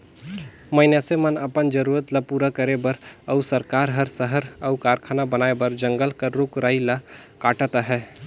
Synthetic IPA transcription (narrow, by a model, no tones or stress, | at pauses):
məɪnjasemənəpənd͡ʒəɾuːɾət̪ləpuːɾakəɾebəɾəʊsəɾkaːɾɦəɾsəɦəɾəʊkaːɾkʰaːnabənaːebəɾd͡ʒə̃ŋɡəlkəɾɾukɾaːilakaːʈət̪aɦɛː